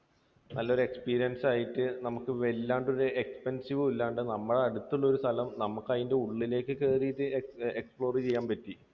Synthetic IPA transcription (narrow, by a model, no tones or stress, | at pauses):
nʔɐlːo̞ɾue̞kspiːɾijɐnsaːjiʈːɨnɐmukːɨʋe̞lːaːɳɖo̞ɾuekspensiʋɨilːɐɳɖɨnɐmːuɽeɐɽut̪ːuɭːɐo̞ɾust̪ʰɐlɐmnɐmukːɐðinde̞uɭːile̞ːkːɨkeriːðiekspɭo̞ːrit͡ɕe̞jːaːmpɐtːi